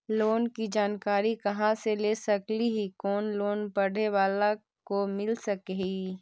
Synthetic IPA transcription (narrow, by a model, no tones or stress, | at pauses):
loːnkid͡ʒaːnkaːɾikɐɦãseleːsɐkliɦikɔːnloːnpɐɽ̤eʋaːla | komɪlsɐkei